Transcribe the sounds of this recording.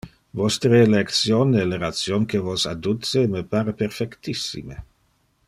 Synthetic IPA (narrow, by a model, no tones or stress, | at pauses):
vɔst̪ɾəlekt̪sjonɛleɾat̪sjonkevosad̪ut̪semepaːɾəpɛrfɛkt̪isːḭme